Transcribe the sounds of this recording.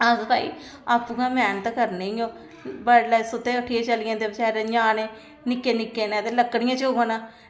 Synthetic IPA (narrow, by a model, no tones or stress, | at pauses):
azp̪a̰ːḭːaːpuɡãːmɛːnət̪kəɾneoː | baɽlaːsʊt̪ːeːəʈʰːijeːt͡ʃəlɪjãːd̪eːbət͡ʃɛːɾeɲãːneː | nɪkːeːnɪkːeːnãːd̪eləkːɽɪjãːt͡ʃoɡãːnãː